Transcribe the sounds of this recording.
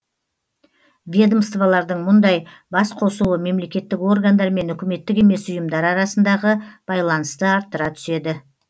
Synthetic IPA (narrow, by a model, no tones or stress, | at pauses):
vʲed̪omst̪valˠɑɾd̪əɴmʊnd̪ɑj | bɑsqʰo̞suwəme̞mle̞kʲe̞t̪ːɪko̞rɡand̪ɑɾme̞nʏkʲɪme̞t̪ːɪkʲe̞me̞sʊjəmd̪ɑɾɑɾɑsənd̪ɑʁəb̥ɑjlˠɑnəst̪əɑɾt̪ːəɾɑt̪ʰʏ̥se̞d̪ɪ